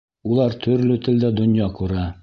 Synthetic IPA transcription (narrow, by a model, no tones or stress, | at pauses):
ulˠɑɾt̪ʰɵ̆ɾlɵt̪ɘ̆ld̪æd̪ŏnjɑquɾɑ